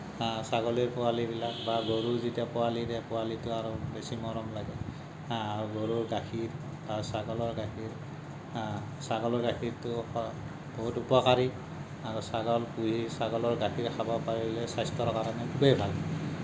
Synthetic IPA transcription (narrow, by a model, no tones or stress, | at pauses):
saɡɔliɹpɔalibilakbaɡoɹuzitiapɔwaliɹɛpɔalitʊaɹubesimɔɹɔmlaɡɛ | auɡoɹuɹɡaxʰiɹ | basaɡɔlɔɹɡakʰiɹ | saɡɔlɔɹɡaxʰiɹtʊɔ | b̥oɦutupɔkaɹi | aɹusaɡɔlpuɦisaɡɔlɔɹɡakiɹkʰabɔpaɹiblɛsajstɔɹkaɹɔnɛkʰubejbʱal